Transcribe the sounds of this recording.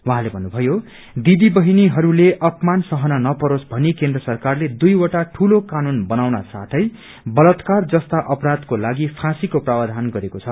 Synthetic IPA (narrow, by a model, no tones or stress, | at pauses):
waɦãlebʱʌnːubʱʌjo | d̪id̪ibʌɦiniɦʌɾuleʔʌpmansʌɦʌnanʌpʌɾosbʱʌnikend̪rʌsʌrkarled̪ujwʌʈaʈʰulokanunbʌnawna̰sa̰t̪ʰʌj | bʌlʌt̪kard͡zʌst̪aʔʌpɾad̪kolaɡipʰãsikoprabad̪ʱanɡʌɾekot͡sʰʌ